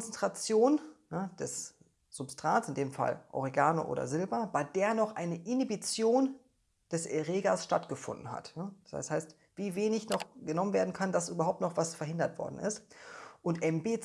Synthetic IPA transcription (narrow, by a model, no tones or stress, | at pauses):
t͡sɛntʁ̥at͡sjoːnjad̥ɛs | z̥ʊpstʁ̥aːtsɪndeːmfa̰lʔɔ̰ʁeɡaːnoʔo̰ːdɐ̰zɪlbɐbaɪdeːɐnɔχʔaɪnəʔɪnibit͡sjoːn | d̥ɛsʔɛʁeːɡasʃtatɡ̥əfʊ̰ndn̩ha̰tnasa̰shaɪst | v̥iːveːnɪçnɔχɡ̥ənɔmənveːɐdn̩kʰandasʔyːbɐɦaʊp̚tnɔχv̥asfɛɐɦɪndɐtv̥ɔ̰ɐdn̩ʔɪ̰stʔʊntʔɛmbeːt͡s